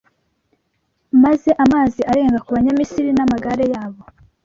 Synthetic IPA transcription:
maze̞ʔamaːziʔaɾe̞ːŋɡakuβaɲamisiɾinamaɡaɾe̞jaːβo̞

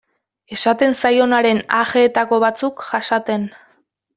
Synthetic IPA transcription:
e̞sat̪e̞nsajo̞naɾe̞naxeːt̪ako̞β̞at͡sukʝaʃat̪e̞n

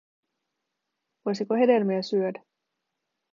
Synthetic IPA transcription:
ʋojsikohe̞de̞lmiæsyødæ

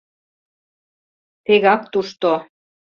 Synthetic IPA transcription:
t̪eɣɑkt̪uʃt̪o

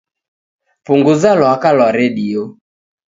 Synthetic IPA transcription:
puŋɡuzalɔakalɔɾeɗio

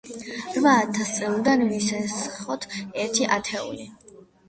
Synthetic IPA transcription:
ɾvaːt̪ʰast̪sʼilˠd̪anvisɛsχɔt̪ʰɛɾt̪ʰiʔat̪ʰɛṵli

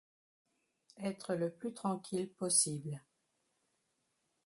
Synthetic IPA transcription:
ɛt̪χələplyt̪χɑ̃kʲʰilpɔsibl

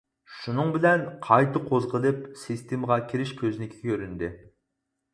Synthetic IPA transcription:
ʃunɨŋbɪlɛnqʰɑjt̪ʰɨqʰozʁəlˠɨpsist̪ʰemʁɑkʲʰiɾɪʃkʲʰøznɪkʲʰi̥kʲʰøɾynd̪ɪ

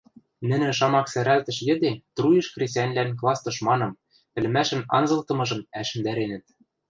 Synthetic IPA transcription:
nɘ̆nɘ̆ʃ̬ɑmɑksæɾælt̪ɘ̆ʃjɘ̆d̪et̪rujɤ̆ʃkrʲesʲænʲlænklˠɑst̪ɤ̆ʃmɑnɤ̆m | p̪ɘ̆lɘ̆mæʃɘ̆nɑ̰nzɤ̆lˠt̪ɤ̆mɤ̆ʒɤ̆mæʃɘ̆nd̪æɾenɘ̆t̪̚

